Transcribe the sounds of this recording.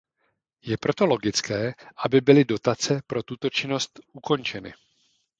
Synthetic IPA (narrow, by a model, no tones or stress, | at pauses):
jɛpɾo̞t̪o̞lo̞ɡɪt͡skɛːʔabɪbɪlɪdo̞t̪at͡sɛpɾo̞t̪ut̪o̞t͡ʃɪno̞st̪ʔuko̞nt͡ʃɛnɪ̰